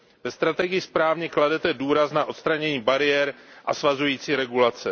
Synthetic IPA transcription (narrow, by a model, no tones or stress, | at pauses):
vɛst̪ɾat̪ɛɡɪjɪspɾaːvɲɛkladɛt̪ɛduːɾasnaʔo̞t̪st̪ɾaɲɛɲiːbaɾɪjɛɾʔasvazujiːt͡siːɾɛɡulat͡sɛ